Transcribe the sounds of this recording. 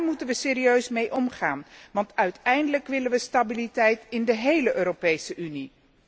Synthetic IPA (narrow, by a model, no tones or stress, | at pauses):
ɹmutənʋəseːriøɥsmejʔɔmχaːnʋɑntœɥtɛjndələkʋɪlənʋəstabilitɛjtɪndəɦejləʔøːropejsəʔyni